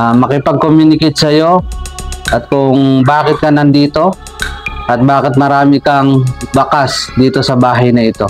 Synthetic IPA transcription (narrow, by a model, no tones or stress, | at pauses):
mɐkɪpɐɡ̚komjuːnɪkɪt̪̚sɐjo̞ | ʔɐt̪̚kʊŋbaːkɪt̪̚kɐnɐnd̪iːt̪o̞ | ʔɐt̪̚baːkɪt̪̚mɐɾaːmɪkɐŋbɐkasd̪iːt̪o̞sɐbaːɦɐjnɐɪt̪o̞